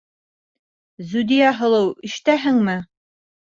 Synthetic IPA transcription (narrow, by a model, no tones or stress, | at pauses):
zud̪ijɑɦɤ̆lˠɤwɘ̆ʃt̪æɦɘŋmɘ